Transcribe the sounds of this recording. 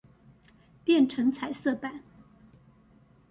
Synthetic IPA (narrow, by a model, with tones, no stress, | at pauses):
pjɛ˥˨nʈ͡ʂʰɤ˧˥ŋt͡sʰa˨˩ɪsɤ˥˩pa˨˩˦n